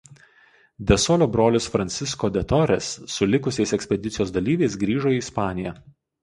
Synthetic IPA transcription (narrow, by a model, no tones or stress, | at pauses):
d̪ʲɛsɔlʲoːbɾoːlʲɪsfɾɐnʲsʲɪskoːd̪ʲɛt̪ɔɾʲɛsːʊlʲɪkʊsʲɛɪsɛksʲpʲɛd̪ʲɪt̪sʲɪjoːsd̪ɐlʲiːʋʲɛɪsɡɾʲiːʒoːiːɪspɑːnʲɪjɛ